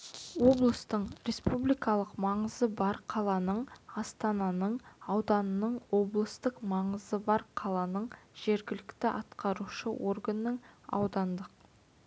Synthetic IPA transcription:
wo̞blˠəst̪əɴɾe̞spublijkɑlˠəqmɑɴəzəbɑɾqʰɑlˠɑnəɴɑst̪ɑnɑnəɴɑwd̪ɑnənəɴwo̞blˠəst̪əqmɑɴəzəbɑɾqʰɑlˠɑnəɴʒ̥e̞ɾɡʲɪlɪkt̪ɪʔɑt̪qɑɾuʃəwʔo̞rɡənːəɴɑ̰wd̪ɑnd̪əq̚

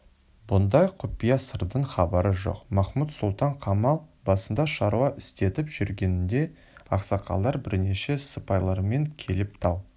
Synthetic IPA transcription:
bʊnd̪ɑjqʰʊpijɑsəɾd̪əɴχɑbɑɾəʒo̞̰qmɑχmut̪sʊlˠt̪ɑɴqʰɑmɑlˠbɑsənd̪ɑʃɑɾuɑʔʏst̪e̞t̪ɪpʒ̥ʏɾɡʲe̞nɪnd̪e̞ | ɑqsɑqʰɑ̰lˠd̪ɑɾbɪɾne̞ʃe̞səpɑjlˠɑɾme̞ŋkʲʰe̞lɪpt̪ʰɑlˠ

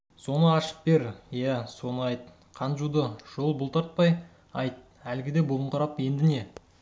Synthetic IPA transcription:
so̞nəɑʃə̥p̚be̞ɾjæso̞nəɑjt̪̚ | qʰɑnʒud̪əʒ̥o̞lˠbʊlˠt̪ʰɑɾt̪̚pɑj | ɑjt̪̚ | ælɡʲɪd̪e̞bolˠəɴqʰɑɾɑpje̞nd̪ɪne̞

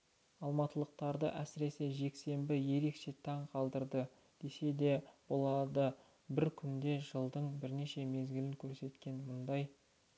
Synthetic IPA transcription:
ɑlˠmɑt̪əlˠəq̚t̪ɑɾd̪ə̰ʔæsɪɾe̞se̞ʒe̞kse̞mbɪje̞ɾe̞kʃe̞t̪ʰɑɴqʰɑlˠd̪əɾd̪ə | d̪̥e̞se̞d̪e̞bo̞lˠɑd̪ə | bɪɾkʲʰʏnd̪e̞ʒəlˠd̪əɴbɪɾne̞ʃe̞me̞zɡʲɪlɪŋkʲʰɵɾse̞t̪kʲe̞nmʊnd̪ɑj

